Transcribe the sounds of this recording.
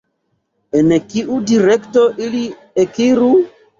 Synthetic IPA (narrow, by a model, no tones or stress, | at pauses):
enkiʔudiɾektoʔili | ekiɾu